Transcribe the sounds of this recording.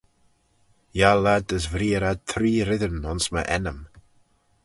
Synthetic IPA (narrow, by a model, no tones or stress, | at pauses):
jalad̪əsvɾiːəɾad̪̚t̪ʰɾiːɾɪðənʊnsmə̰ʔɛnəm